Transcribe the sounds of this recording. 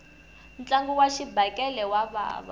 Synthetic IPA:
n̩t͡ɬʼaŋɡuwaʃibakʼɛlɛwaβa̰ːβa̰

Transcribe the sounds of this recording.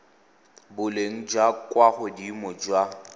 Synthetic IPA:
bʊleŋ̩d͡ʒwakʼwaχʊdimʊd͡ʒwa

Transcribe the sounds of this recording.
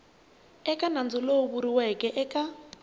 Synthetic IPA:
ɛkʼanand͡zʊloβuɾiwɛkʼɛʔɛkʼa

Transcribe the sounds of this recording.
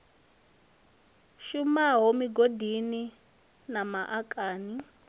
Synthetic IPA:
ʃumaɦomiɡodini | namaʔakʼaːni

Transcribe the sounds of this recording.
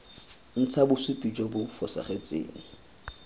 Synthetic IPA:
n̩t͡sʰabʊsʊpʼid͡ʒwabʊfɔsa̰χet͡sʼḛːŋ̩

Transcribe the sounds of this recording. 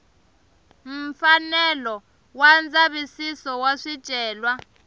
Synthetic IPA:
m̩fanɛlɔ | wand͡zaɓisisɔwaʂid̥ʒ̥ʼʱɛːlwa

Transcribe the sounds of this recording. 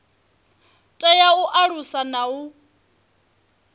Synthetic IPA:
tʼɛjauʔaɺusanau

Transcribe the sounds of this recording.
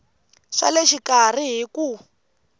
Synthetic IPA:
ʂa̰leʃikar̤iɦiku

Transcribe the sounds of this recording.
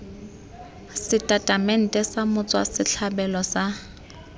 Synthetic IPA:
sɪtʼatʼamɛn̩tʼɛsamʊt͡sʼwa̰sɪt͡ɬʰabɛlɔsa

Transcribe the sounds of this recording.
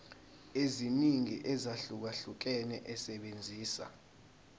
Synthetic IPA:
eziniŋiʔɛzaɬuk̬aɬuk̬ɛnɛʔɛsɛɓend͡zʱiːsa̰

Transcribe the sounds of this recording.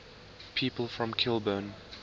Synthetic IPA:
pʰiːˑpəlˠfɹɔ̃mkʰɪlˠbən

